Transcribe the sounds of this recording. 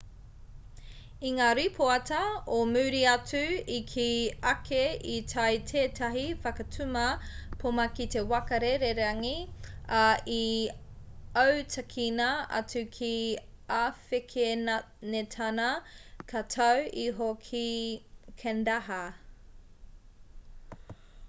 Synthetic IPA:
iŋaːɾipʰoɐtɐomʉːɾiɐt͡sʉikʰiɐkʰeitʰɐjtʰeːtʰɐɦifɐkɐtʰʉmɐpʰomɐkite̞wɐkɐɾeɾeɾɐŋiai | ɐwtʰɐkʰinɐɐ̰t͡sʉkʰiafekʰena | netʰɐnɐkʰɐtʰɐwiɦokʰi | kʰɛndaɦɐ

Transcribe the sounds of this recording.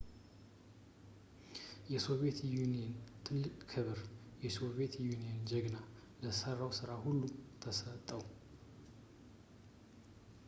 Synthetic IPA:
jɛso̞βe̞t̪junijɛnt̪ʰɨlːɨkʼkʰɨβɨɾjɛso̞βe̞t̪junijend͡ʒɛɡna | ləsərːawsɨɾahulːumt̪ʰəsət̪ʼːəw

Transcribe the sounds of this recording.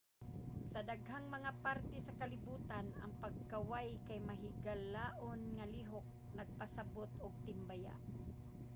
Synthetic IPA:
sɐd̪aɡhaŋmɐŋapaɾt̪ɛsɐkɐlɪbuːt̪anɐ̰ŋpɐɡ̚kɐwajkajmɐɦɪɡalaːʔonŋɐliːɦok̚ | nɐɡ̚pasɐbot̪oɡ̚t̪ɪmbaja̰ʔ

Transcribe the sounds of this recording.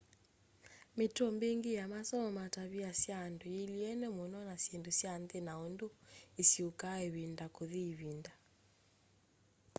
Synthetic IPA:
metɔmbeŋɡijamasɔmataβiasjandoiliɛnɛmonɔnasjendusjandenaondoesiokaeβindakoðiβinda

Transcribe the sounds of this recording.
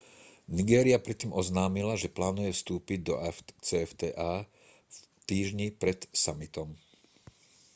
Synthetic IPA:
niɡɛːɾiapɾɛt̪ːiːmʔɔznaːmilaʒɛplaːnujɛfst̪uːpiɟ̚d̪ɔt͡sɛft̪ɛʔaː | t̪iːʒɲipɾɛt̪samit̪ɔm

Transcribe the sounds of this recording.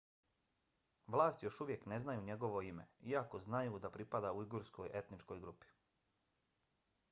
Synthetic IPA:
ʋlˠaːst̪ijo̞ʃuʋje̞kne̞znajuːɲe̞ɡo̞ʋo̞ime̞̰iako̞znajud̪apɾipad̪auiɡuɾsko̞jʔe̞t̪nit͡ʃko̞jɡɾupi̥

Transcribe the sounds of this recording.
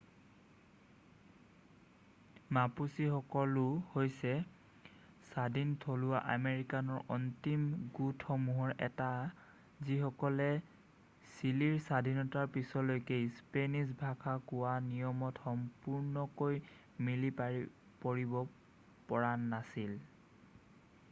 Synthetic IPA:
mapusixɔkɔlʊhojsɛ | sadʱintʰolʊwa̰ʔameɹikanɔɹʔɔntimɡutxɔmuɦɔɹɛ̰ta | zixɔkɔlɛ | siliɹsadʱinɔtaɹpisɔlojkejspenis̬bʱakʰakʊwanijɔmɔtxɔmpuɹnɔkoj | milipa | poɹibɔ | pɔɹanːasil

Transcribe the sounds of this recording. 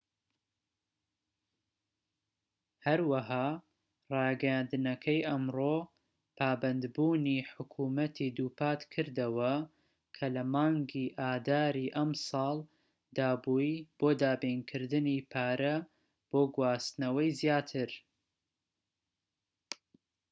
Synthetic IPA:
hɐɾwɐɦaː | rˤɑːɡɐjaːnd̪ɨnɐkʰɐjʔɐmroː | pʰaːbɐnd̪buːniħʊkʰuːmɐt̪ʰid̪uːpʰaːt̪kʰɨɾd̪ɐwɐ | kʰɐlɐmɑːŋɡiʔaːd̪aːɾiʔɐmsɑːlˠ | d̪aːbujb̥oːd̪aːbinkʰɨɾd̪ɨnipʰaːɾɐ | b̥oːɡwaːst̪nɐwɐjzjaːt̪ʰɨɾ

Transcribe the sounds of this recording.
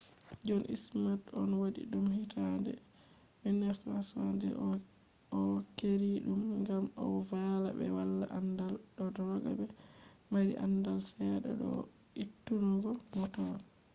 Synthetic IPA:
d͡ʒɔnʔḭsmatɔnwadḭɗumhitʰandɛ̰ | ɓɛnɛsasandɛ̰ | ɔkeɾiɗumŋɡamɔ̰vala̰bɛ̰walːaʔandalɗɔdɔɾɔɡa̰bɛ | maɾḭʔa̰ndalsɛɗɛ̰ɗɔ̰ | itːunɔɡɔmɔtɔn

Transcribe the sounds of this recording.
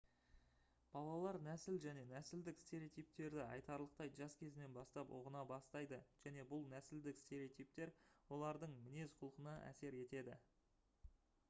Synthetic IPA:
b̥ɑlˠɑlˠɑɾnæsɪlʒæne̞næsɪld̪ɪkst̪eɾʲeot̪ijp̚t̪e̞ɾd̪ɪɑ̰jt̪ɑɾlˠəq̚t̪ɑj̪ʒɑskʲʰe̞zɪne̞nbɑst̪ɑpo̰ʁənɑbɑst̪ɑjd̪əʒ̥æne̞bʊlˠnæsɪld̪ɪkst̪e̞ɾeot̪ijpt̪e̞ɾwo̞lˠɑɾd̪əɴmɪne̞zqʰʊlˠəqənɑʔæ̰se̞ɾe̞t̪e̞d̪ɪ

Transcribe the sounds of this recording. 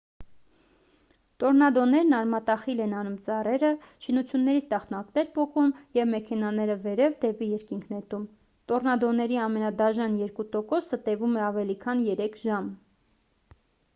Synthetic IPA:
t̪ɔɾnɑd̪ɔnɛɾnɑɾmɑt̪ɑχilɛnɑnumt͡sɑrɛɾət͡ʃʰinut͡sʰjunːɛɾit͡sʰt̪ɑχt̪nɑknɛɾpɔkumjɛvmɛkʰɛnɑnɛɾəvɛɾɛvd̪ɛpijɛɾkiŋkʰnɛt̪um | t̪ɔɾnɑd̪ɔnɛɾiɑmɛnɑd̪ɑʒɑnjɛɾkut̪ɔkɔsət̪ɛvumɛɑvɛlikʰɑnjɛɾɛkʰʒɑm

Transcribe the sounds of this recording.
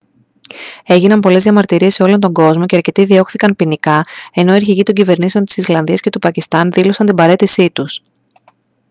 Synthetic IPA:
e̞ʝinɐnpo̞le̞zðijɐmɐɾt̪iɾieseo̞lo̞nt̪o̞ŋɡo̞zmo̞ce̞ɐɾce̞t̪iðio̞xθikɐnpinikɐe̞no̞iɾçiʝit̪o̞ɲɟive̞ɾnise̞ont̪i̥sislɐnðiɐsce̞t̪upɐcist̪ɐnðilo̞sɐnt̪imbɐɾe̞t̪isit̪us

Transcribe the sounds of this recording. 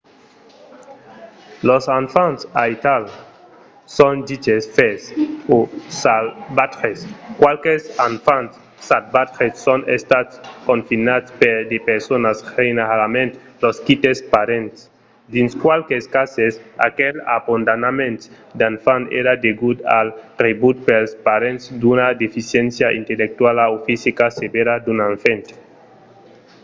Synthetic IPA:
losanfansait̪al | sõndit͡ʃesfesosalbat̪ɾeskwalkesanfan | sat̪̚bat̪ɾesːonest̪at̪skõnfinat̪speɾd̪epeɾsonasrejneɾalamẽnt̪ | loskit̪espaɾent̪s | d̪inskwalkeskasesa̰kela̰bond̪anamẽnt̪ | d̪anfanḛɾad̪eɡud̪a̰lrebut̪̚pelspaɾẽnt̪sd̪unad̪efisjensjaʔḭnt̪elek̚t̪walaofisikasebeɾad̪unaɱfent̪

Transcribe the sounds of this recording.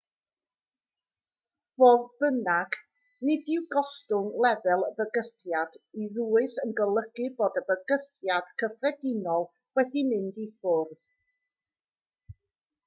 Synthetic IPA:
voːðb̥ənaɡ | nɪdɪwɡɔstʊŋlˠɛvɛlˠəbəɡəθjadiðuːɨθənɡəlˠəɡ̥ɨboːdəbəɡəθjad̥kʰəfrɛdɪnɔlˠ | wɛdimɪndifʊrð

